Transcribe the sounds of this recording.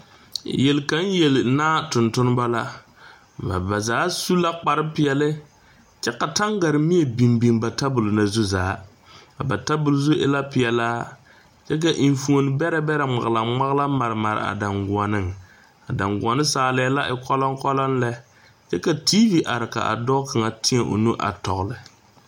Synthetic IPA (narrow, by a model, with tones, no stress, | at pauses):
jɛ˨lka˦n˦jɛ˨lɪ˨naː˦tʊ˨ntʊ˦n˦ba˦la˦ | ma̰˨ba˨zaː˨˦su˦la˦k͡pa˨ɾɪ˦pɪ˨ɛ˨lɪ˦ | t͡ʃɛ˦ka˨ta˦ŋɡa˨ɾɪ˨mi˦e˨bi˨mbi˨mba˨ta˦bʊ˨lna˨zu˦zaː˨˦ | ka˨ba˨ta˦bʊ˨lzʊ˦ʔɪ̰˦la˦pɪ˨ɛ˨laː˦ | t͡ʃɛ˦k̬a˨ʔi˨ɱfu˨o˨n˦bɛ˦ɾɛ˦bɛ˦ɾɛ˨ŋ͡ma̰˨ɣla˨ŋ͡ma˦ɣla˦ma˨ɾɨ˨ma˨ɾ̰a̰˨da˨ŋɡu˨ɔ˨nɨ˦ŋ | a˨da˨ŋɡu˨ɔ˨nɨ˦saː˨˦lɛ˦la˦ʔɪ˨kɔ˦lɔ˦ŋkɔ˦lɔ˦nlɛ˦ | t͡ʃɛ˦ka˨tiː˦vi˨ʔa˨ɾɪ˨ka̰˨ʔa̰˨dɔː˦ka˨ŋa˨tɪ˦ɛ˨ʔo̰˨nu˦ʔa̰˨tɔ˨ɣlɪ˨